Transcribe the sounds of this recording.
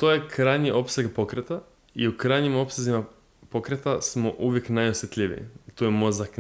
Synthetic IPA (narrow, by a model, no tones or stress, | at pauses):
t̪ojekɾajɲiʔo̞pseɡpo̞kɾet̪a | iukɾajɲimo̞psezima | pokɾet̪asmoʔuʋje̞knajosjet̪ʎʲiʋḭḭt̪ojemozak